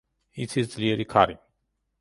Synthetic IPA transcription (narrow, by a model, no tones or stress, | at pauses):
itʰizzliɾikʰaɾi